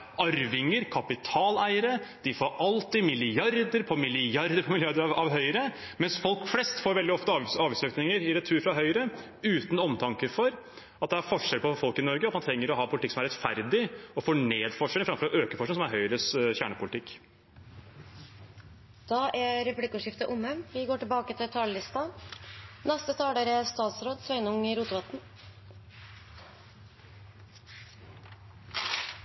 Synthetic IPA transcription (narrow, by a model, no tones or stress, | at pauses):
ɑɾʋɪŋəɾkʰɑpɪt̪ʰɑːlæɪəɾəd̪̥ɪfoːɾɑlt̪ɪmɪlɪjɑɾd̪əɾpʰɔmɪlɪjɑɾd̪əɾpʰɔmɪlɪɑɾd̪əɾɑʋɑʋɦœʏəɾə | mɛnsfɔlkflɛst̪foːɾʋɛld̪ɪɔft̪əɑːʋɪsøːk̪nɪŋəɾɪɾɛt̪ʰːʉːɾfɾɑɦœʏəɾə | ʉːt̪n̩ɔmt̪ʰɑŋkəfɔɾ | ɑt̪̚d̪ɛæɾfɔʂɛlpɔfɔlkɪnɔɾɡəɑt̪mɑnt̪ʰɾɛŋːəɾɔɦɑːpʰʊlt̪ɪksɔmæɾɛt̪fæɾd̪ɪɔfoːɳeːd̪fɔʂɛlfɾɑmfɔɾɔʔøːkəfɔʂnɪŋsɔmæɾɦœʏɾəsçæːɳəpʰʊlɪt̪ʰɪkː | d̪̥ɑːʔæɾɛplɪkːʉʂɪft̪əʔʊməmʋɪɡoːʈɪlbɑːkət̪ʰɪlt̪ʰɑːləlɪst̪ɑ | nɛst̪ət̪ʰɑːɖ̪æɾɛst̪ɑːt̪sɾoːd̪sʋœʏnʊŋɪɾuːt̪ʊʋɑt̪n